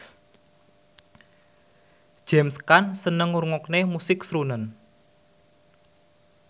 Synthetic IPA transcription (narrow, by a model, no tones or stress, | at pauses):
d̥ʒ̥ɛmskansənəŋuɾuŋɔknemusɪksɾunən